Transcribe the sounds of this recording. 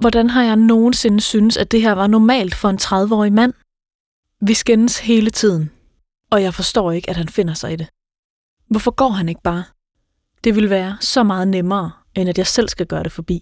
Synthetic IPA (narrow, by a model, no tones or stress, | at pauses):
ʋɒd̥ænɦɑ̈jɑ̈ɪno̝ːn̩se̝nəsyːnəsæd̥e̝ɦæɐ̰ʋɑ̈nɒmɛ̰ːld̥fɒ̽e̝nt͡sʰʁɑ̈ðˠʋəɒ̰ːimæn̰ | ʋisɡ̥enəshe̝ːlət͡sʰið̞̰ˠn̩ | ɒ̽jɑ̈ɪfɒ̽sd̥ɒ̰ːe̝ɡ̥əæd̥hænfe̝n̰ɐsɑ̈ɪide̝ | ʋɒfɒ̽ɡ̥ɒ̰ːɦæne̝ɡ̥̚b̥ɑ̈ː | d̥e̝ʋe̝lʋæːɐsɒ̽mɑ̈ːð̞̩ˠnemɐː | ʔenæd̥jɑ̈ɪsel̰sɡ̥æɡ̥ɶːɐɾ̥e̝fɒ̽b̥ḭː